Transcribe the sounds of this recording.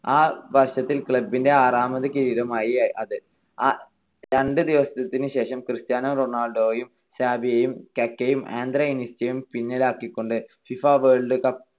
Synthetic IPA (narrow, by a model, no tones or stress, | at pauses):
aːʋɐrʂɐt̪ːilkɭɐbːinde̞aːraːmɐðɐkiːiðɐmaːjiaʔɐðɨ | a | ɾɐɳɖɨd̪iʋɐsɐt̪ɐt̪ːinɨɕe̞ːʂɐmkrɨst̪jaːnɐmronaːɭɖo̞ːjum | saːbʱijɐjumkɐkːɐjumʔḛːnd̪ɾɐinistɐjumpinːɐlaːkːikːo̞ɳɖɨfifaːʋeːɭɖɨkɐp